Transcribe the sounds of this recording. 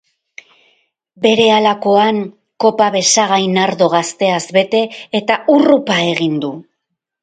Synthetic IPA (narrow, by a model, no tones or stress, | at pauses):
be̞ɾe̞alako̞aŋ | ko̞paβe̞saɣajnaɾðo̞ɣ̞ast̪e̞azβe̞t̪e̞ːt̪aʔurupae̞ɣind̪u